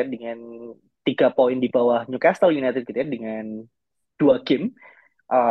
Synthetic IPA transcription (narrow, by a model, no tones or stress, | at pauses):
adəŋan | t̪iɡapoɪndibawahɲukast̪əljunajt̪ɪd̚kit̪adəŋan | d̥uakɪm | ʔə